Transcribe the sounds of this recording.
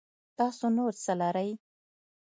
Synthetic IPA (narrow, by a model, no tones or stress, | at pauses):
t̪ɑsonoɾt͡səlaɾəj